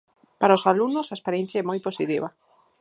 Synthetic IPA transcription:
paɾaosalunʊsaespaɾjɛ̃n̟θjaɐɛmojposit̪iβɐ

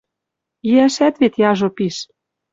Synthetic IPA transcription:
iæʃæt̪βet̪jɑʒopiʃ

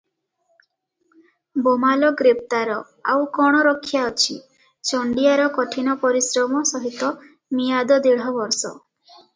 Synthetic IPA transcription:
bɔmalɔɡɾep̚t̪aɾɔ | a̰wkɔɽ̃ɔɾɔkʰːjaɔt͡ʃʰi | t͡ʃɔɳɖijaɾɔkɔʈʰinɔpɔɾisɾɔmɔsɔɦit̪ɔ | mijad̪ɔd̪eɭ̤ɔbɔɾsɔ̰

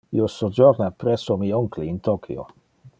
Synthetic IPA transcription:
ḭosod͡ʒoɾnapɾɛsomioŋkliːnt̪okʰḭo̰

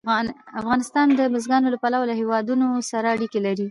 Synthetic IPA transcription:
afɣɑnɪst̪ɑnd̪əbɪzɡɑnolapalawalahewɑd̪unosaɾaːɽikelaɾi

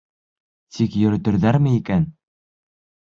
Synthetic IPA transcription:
t̪ʰikjɵ̆ɾɵ̆t̪ɘ̆ɾðæɾmɘikæn

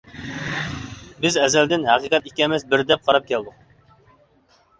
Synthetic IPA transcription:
bɪzɛzɛld̪ɪnɦɑqiqʰɛt̪ikʲɛmɛsbɪɾd̪ɛp̚qʰɑɾɑp̚kʲʰɛld̪ʊq̚

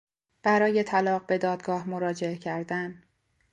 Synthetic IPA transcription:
b̥æɾɒːje̞t̪ʰælɒːɢbe̞d̪ɒːd̪ɡɒːhmoɾɒːd͡ʒe̞ecʰæɾd̪æn

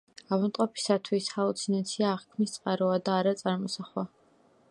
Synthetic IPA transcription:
avant̪ʼɔpʰi̥sat̪ʰwishalut̪sʰinat̪sʰiaːʁkʰmist̪sʼqʼaɾɔad̪aːɾat̪sʼaɾmɔsaχwa

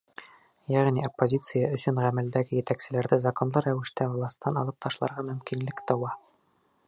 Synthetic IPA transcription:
jæʁniopːozʲit̪sɨjaɵ̆sɵɴʁæmæld̪æɡɘjɘ̆t̪æksɘ̆læɾd̪æzɐko̞nlˠɤɾæwɘ̆ʃt̪ævlˠɑst̪ːɑnɒlˠɤp̚t̪ʰɒʃlˠɑ̰ɾʁɑmɵ̆mkinlɘkt̪ɒwɑ

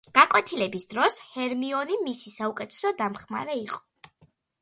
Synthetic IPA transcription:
ɡ̥akʼwɛt̪ʰilɛbisd̪ɾɔshɛɾmiɔnimisisaukʼɛt̪ʰɛ̥sɔd̪amχma̰ɾɛiqʼɔ̥

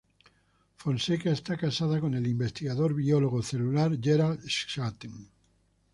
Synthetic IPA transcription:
fonsekaest̪akasað̞akonelimbest̪iɣaðoɾβioloɣoθelulaɾʝeɾalʃʃat̪eŋ

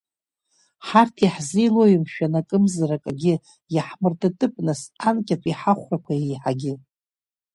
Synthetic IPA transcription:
ħartʰiħzijloimʃᶣanakʼɨmzarakʼaɡʲɪ | jaħmɨrtʰʼatʼɨpʼnɨsankʲʼatʰʷʼiħaχʷrakʷʰajejħaɡʲɪ

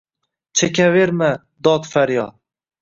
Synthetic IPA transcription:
t͡ʃʰekʲʰaveɾma | d̪ɒd̪faɾjɒd̪

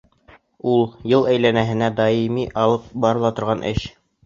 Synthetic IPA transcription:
ulˠjɤlˠæjlænæɦɘ̆næd̪ɑimiʔɑlˠɤp̚bɑɾɤ̆lˠɑt̪ŏɾʁɑnʔɘɕ

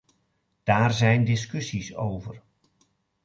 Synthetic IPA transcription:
d̥aːrzɛjndɪs̬kɵsiso̰wvər

